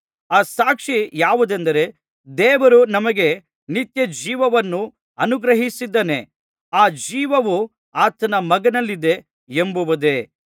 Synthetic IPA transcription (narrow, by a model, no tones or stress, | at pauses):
aːsaːkʂijaːʋud̪end̪ɐɾe̞ | d̪ɛːʋɐɾunɐmɐɡe̞ | nit̪jɐd͡ʒiːʋɐʋɐnːu | ɐnuɡɾɐɦisid̪ːɐne̞ | aːd͡ʒiːʋɐʋu | aːt̪ɐnɐmɐɡɐnɐlːid̪e̞ | embuʋud̪e̞